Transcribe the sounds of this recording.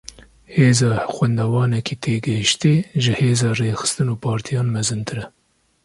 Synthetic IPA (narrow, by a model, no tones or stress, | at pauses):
heːzɑːxwɛnd̪ɑːwɑːnɛkʰiːt̪ʰeːɡɛhʃt̪eːʒɨheːzɑːreːxɨ̥st̪ɨnuːpʰɑːɾt̪ʰijɑːnmɛzɨnt̪ʰɨɾɛ